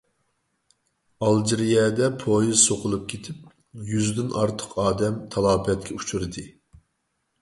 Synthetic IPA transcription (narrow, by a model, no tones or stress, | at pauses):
ɑlˠd͡ʒiɾijɛd̪ɛpʰojizsoqʰʊlˠup̚kʲʰet̪ʰɪp̚ | jyzd̪ynʔɑɾt̪ʰə̥qʰɑːd̪ɛmt̪ʰɑlˠɑːbɛt̪̚kʲʰɛut͡ʃʰuɾɨd̪ɨ